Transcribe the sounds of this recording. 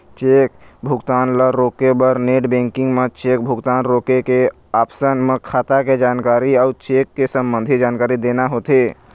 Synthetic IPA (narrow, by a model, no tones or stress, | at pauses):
t͡ʃeːkbʱʊɡt̪aːnləɾɾoːkebəɾneːʈbẽːŋkɪ̃ŋɡmẽt͡ʃeːk̚bʱʊɡt̪aːnɾoːkeke | aːpsənmẽkʰaːt̪aked͡ʒaːnkaːɾiaʊt͡ʃeːkːesəmbə̃nd̪ʱid͡ʒaːnkaːɾid̪eːnaɦot̪e